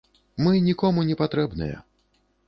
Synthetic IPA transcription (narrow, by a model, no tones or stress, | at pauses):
mɨnʲikɔmunʲɛpat̪ɾɛbnɨ̰jɛ̰